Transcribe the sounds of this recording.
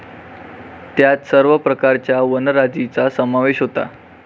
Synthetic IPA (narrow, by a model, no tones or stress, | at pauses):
t̪jat̪səɾʋəpɾəkaɾt͡ɕjaʋənəɾad͡ʑit͡sasəmaʋeɕɦot̪a̰